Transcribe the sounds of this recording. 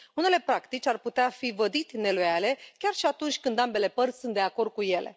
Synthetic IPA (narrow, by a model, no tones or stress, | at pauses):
une̞le̞pɾakt̪it͡ʃʲarput̪eafivəd̪it̪ne̞lujale̞kʲarʃiat̪unt͡ʃʲkɨnd̪ambe̞le̞pərt̪sʲsunt̪̚d̪e̞ako̞rd̪̚kuje̞le̞̰